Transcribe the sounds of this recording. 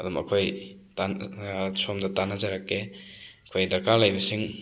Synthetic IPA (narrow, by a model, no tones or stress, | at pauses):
ɐdumɐ̰kʰojtansomdɐtanazaɾakːeɐkʰojdɐɾkalajbɐsiŋ